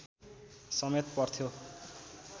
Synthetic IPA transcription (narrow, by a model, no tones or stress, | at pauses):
sʌmet̪pʌrt̪ʰjo